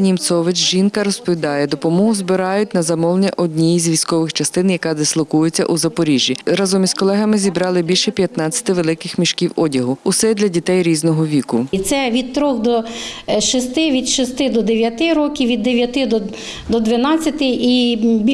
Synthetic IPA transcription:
nʲimsɔʋɪt͡ʃʒinkɐɾɔspɔʋʲid̪ɑjɛd̪ɔpɔmɔɦʊzbɪɾɑjʊtʲnɐzɐmɔlˠnʲɐʔɔdʲnʲijzʲʋʲijsʲkɔʋɪxt͡ʃɐst̪ɪnjɐkɑzɐslˠɔkujɪt͡sʲːɐ̰ʔuzɐpɔɾʲiʒʲːiɾɑzɔmʲizkɔlˠɛɦɐmɪzʲibɾɑlˠɪbʲilʲʃɛpʲjɐt̪nɑt͡sʲɐ̥t̪ɪʋelˠɪkɪxmʲiʃkʲiwɔdʲɐɦʊʊsɛd̪lʲɐdʲit̪ɛjɾʲiznɔɦɔʋʲikʊt̪sɛʋʲid̪̚t̪ɾɔxd̪ɔʃist̪ɪʋʲid̪ʃist̪ɪd̪ɔd̪eʋʲjɐt̪ɪɾɔkʲiwʋʲid̪ːeʋʲjɐt̪ɪd̪ɔ | d̪ɔd̪ʋɪnɑt͡sʲːɐt̪ɪibʲ

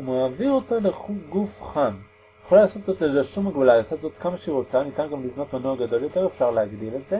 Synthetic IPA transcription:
umaːviʁo̞taleuɡufχam | jeχolalaːso̞t̪zotlezeʃumaɡbalajasot̪zot̪kamaʃeiʁo̞t͡sanit̪anɡamlivno̞t̪manoaɡad̪o̞ljo̞t̪e̞ʁefʃaʁleaɡd̪ile̞tz̥e̞

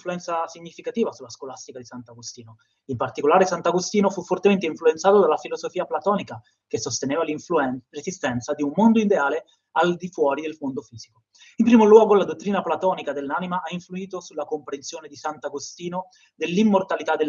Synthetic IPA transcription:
fluɛnt̪sasiɲːifikat̪iːvasulaskolast̪ikad̪isant̪aɡost̪iːno | impart̪ikolaːɾesant̪aɡost̪iːnofufːort̪ement̪̬eiɱfluent̪saːt̪od̪alːafilozofiːaplat̪ɔːnika | kesost̪eneːvaurezist̪ɛnt̪sad̪iumːond̪oid̪eaːle | ald̪ifwɔːɾid̪elfond̪ofiːz̥iko | impɾiːmolwɔːɡolad̪ot̪ːɾiːnaplat̪ɔːnikad̪elːanimaʔaiɱfluiːt̪osulakompɾensjoːned̪isant̪aɡost̪iːno | d̪elːimːort̪alit̪ad̪el

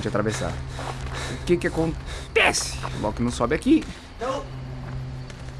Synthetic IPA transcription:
t͡ʃɪat̪ɾavesa̰ɾ | ʊkɪkɪakõntt̪ɛsɪ̥lɔ̰ɡʊkɪnɐ̃w̃sɔbɪaki

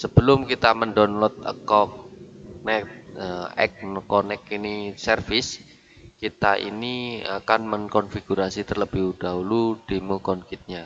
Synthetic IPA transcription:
səb̥əlʊmkit̪aməndɔnlɔt̪̚ə̰kɔk̚nɛt̪̚əɛ̰k̚nkɔnɛkinisərfɪs | kit̪aʔḭnia̰kanməŋkɔnfiɡ̥uɾasit̪ərləbihud̥aɦulud̥imukɔnkɪt̪̚ɲa

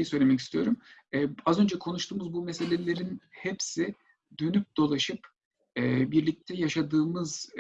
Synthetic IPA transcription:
jisø̞jlʲemɛcist̪ʰijo̞ɾumɛazø̞nd͡ʒɛkʰo̞nuʃt̪ʰuːmuzbumese̞lʲelʲe̞ɾinhepsi | d̪ø̞nyp̚d̪̥o̞lˠaʃɯp | ɛːbiɾlʲic̚t̪ʰɛjaʃad̪ɯːmɯz

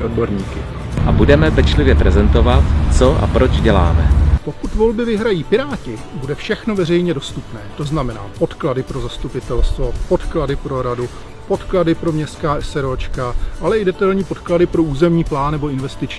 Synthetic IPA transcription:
ʔodbo̞ɾɲiːkɪ | ʔabudɛmɛpɛt͡ʃlɪvjɛpɾɛzɛnt̪o̞vat̪t͡so̞ʔa̰pɾod͡ʒɟɛla̰ːmɛpo̞kut̪vo̞lbɪvɪɦɾajiːpɪɾaːcɪ | budɛfʃɛxno̞vɛrɛjɲɛdo̞st̪upnɛːt̪o̞znamɛna̰ːpo̞t̪kladɪpɾo̞zast̪upɪt̪ɛlst̪vo̞po̞t̪kladɪpɾo̞ɾadu | po̞t̪kladɪpɾo̞mɲɛst̪kaːɛsɛɾot͡ʃkaʔalɛʔɪdɛt̪ajlɲiːpo̞t̪kladɪpɾo̞uːzɛmɲiːplaːnnɛbo̞ɪnvɛst̪ɪt͡ʃɲː

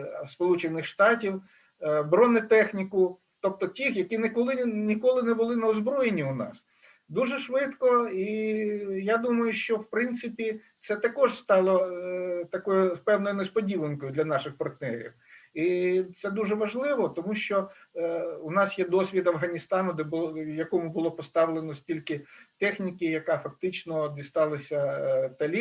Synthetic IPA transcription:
spɔlˠut͡ʃenɪxʃt̪ɑtʲiw | bɾɔnɪt̪ɛxnʲikʊ | t̪ɔp̚t̪ɔtʲixjɐkʲinɪkɔlˠɪnʲikɔlˠɪnɛbʊlˠɪnɐɔzbɾɔjenʲːiʊnɑ̰s | d̪uʒɛʃʋɪt̪kɔi | jɑd̪umɐjʊʃt͡ʃɔwpɾɪnt̪sɪpʲi | t̪sɛt̪ɐkɔʒst̪ɑlˠɔt̪ɐkɔjʊpɛwnɔjʊnespɔdʲiʋˠenkɔjʊd̪lʲɐnɑʃɪxpɐrt̪nɛɾʲḭw | it̪sɛd̪uʒɛʋɐʒlˠɪʋɔt̪ɔmuʃt͡ʃɔ | ʊnɑsjɛd̪ɔsʲʋʲit̪ɐwɦɐnʲist̪ɑnʊd̪ɛbʊjɐkɔmʊbʊlˠɔpɔst̪ɑʋlˠenɔsʲtʲilʲkɪt̪ɛxnʲikʲɪjɐkɑfɐk̚t̪ɪt͡ʃnɔd̪ʲist̪ɑlˠɐsʲɐt̪ɐlʲi

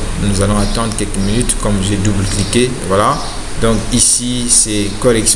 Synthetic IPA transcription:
nuzalɔ̃at̪ɑ̃d̪ʁəkʲɛlkəminyt̪kɔmʒed̪ubləklike | vwala | d̪ɔ̃kisisɛkɔʁɛks

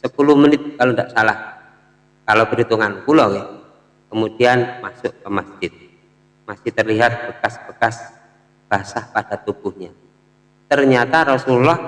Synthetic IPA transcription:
səpulʊhmənɪt̪̚kalondaʔsalah | kalokəɾit̪uŋankulowɛ | kəmudianmasʊʔkəmasd͡ʒɪt̪̚ | masɪht̪ərliɦat̪̚b̥əkasb̥əkas | b̥aɦasapad̥at̪ub̥uhɲa | t̪ərɲat̪aɾɔsululɔh

